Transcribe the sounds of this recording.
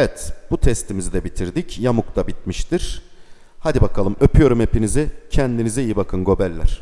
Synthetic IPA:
ɛvɛt̪b̥ut̪ʰɛst̪ʰimizid̪ɛbit̪ʰiɾd̪icjamukt̪ʰabit̪̚miʃt̪iɾ̥ | had̪ibakʰalˠɯmø̞pʰyjo̞ɾume̞pinizɪcʰɛnd̪inizɛijibakʰɯnɡo̞bælʲːæ̰ɾ̝̥

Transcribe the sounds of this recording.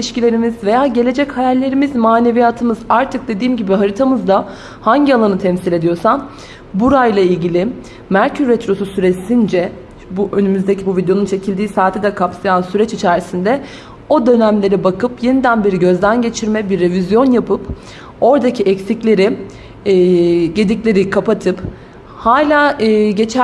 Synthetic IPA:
iiʃcilʲe̞ɾimizve̞jaːɟe̞lʲe̞d͡ʒɛchajælʲːe̞ɾimizmaːne̞vijat̪ʰɯmɯzaɾt̪ʰɯk̚d̪e̞d̪iːmɟibiɦaɾit̪ʰamɯzd̪a | haɲɟialˠanɯt̪ʰɛmsilʲe̞d̪ijo̞san | buɾajlˠailʲɟilʲi | mæɾcʰyɾːɛt̪ɾo̞susyɾesind͡ʒɛ | buʔønymyzd̪ecʰibuvid̪ejo̞nunt͡ʃʰe̞cʰilʲd̪iːsaːt̪ʰɛd̪ɛkʰapsajansyɾɛt͡ʃit͡ʃʰæɾisind̪ɛ | o̞d̪ø̞næmlʲe̞ɾibakɯpje̞nid̪ænbeɾiɟø̞zd̪ænɟe̞t͡ʃʰiɾmɛbiɾːevizjo̞njapʰɯp | o̞ɾd̪acʰiʔɛcsiclʲe̞ɾiː | ɟe̞d̪iclʲe̞ɾikʰapat̪ʰɯp | haːlʲaːɯːɟe̞t͡ʃʰæ

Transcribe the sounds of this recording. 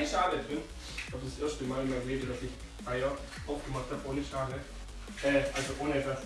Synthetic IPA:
əʃaːʁəb̥ɪn | ç̥aʊfd̥asʔeɐstəmaːlɪnmaɪnleːbəd̥asɪç | ʔaɪɐ | ʔaʊfɡ̥əmaχthapʔoːnəʃaːʁə | ʔɛːʔalzoʔoːnəɛtv̥as

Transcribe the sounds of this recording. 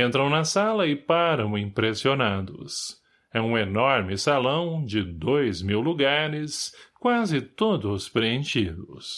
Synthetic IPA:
ẽnt̪ɾɐ̃w̃nɐsalɐɪpaɾɐ̃w̃ĩpɾesionad̪ʊ̰s | ɛũenɔɾmɪsalɐ̃w̃d͡ʒɪd̪ojzmiwluɡaɾɪskwazɪt̪od̪ʊspɾeẽʃid̪ʊs

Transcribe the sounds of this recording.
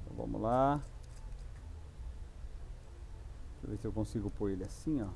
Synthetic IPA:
t̪ɐ̰̃w̃vɐ̰̃mʊ̰la | vesɪewkõsiɡʊpoɾelɪasĩɔ

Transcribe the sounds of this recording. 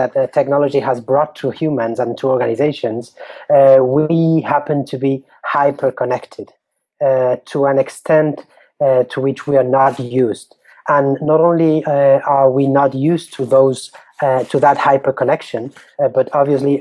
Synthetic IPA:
ɨttʰɛk̚nɑlˠəd͡ʒiəzbɹɔtʰːəhjʉmə̃nzə̃ntʰəɔɹɡanɪzeɪʃɨ̃nz | wihæpɨ̃ntʰɨbi | haɪpʰə˞kʰənɛktʰɪd̥ | tʰəæ̃nɛkstʰɛ̃nt | tʰəwɪt͡ʃwiə˞nətjjʉzd | ʔə̃nːəɾõʊ̃nliə˞winətjʉztʰɨðoʊz̥ | tʰɨðət̚haɪpə˞kʰənɛkʃɨ̃n | bʌɾɑbviɨsli

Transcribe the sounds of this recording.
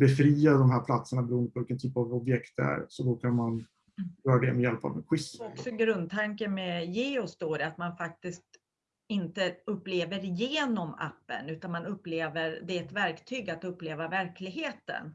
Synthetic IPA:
bɛfɾiːad̪ɔmhɦæːɾpʰlat̪səɳabɛɾuːənd̪əpʰɔvɪlkːənt̪ʰyːpavɔbjɛkt̪æ̰ɾsɔd̪ɔkʰanman | jœːɾad̪ɛmɛjɛlpa̰vɛnɧɪsɔkksɔɡɾɵnd̪̚t̪ʰaŋkəmɛjeːɔsd̪oːɾɛat̪manfak̚t̪ɪst̪ | ɪnt̪əɵpːleːvəɾɪjeːnɔma̰pːə̰nʉ̟ːt̪anmanɵpːleːvəɾd̪ɛːt̪væɾkt̪ʰyːɡat̪ɵpːleːvavæɾklɪɡheːt̪ə̰n

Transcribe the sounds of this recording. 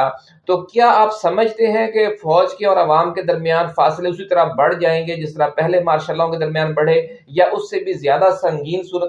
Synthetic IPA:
a | t̪oːkjaːaːpsɐməd͡ʒʱt̪eɦɛ̃kefɔːd͡ʒkeɔːɾɐʋaːmked̪ɐɾmijaːnfaːsɪleʊsit̪ɐɾabɐɽ̤d͡ʒaːẽːŋɡed͡ʒɪst̪əɾapɛɦlemaːɾʃalːaõked̪ɐɾmjaːnbɐɽ̤e | jaʔʊsːebʱizjaːd̪asɐ̃ŋɡiːnsuːɾət̪

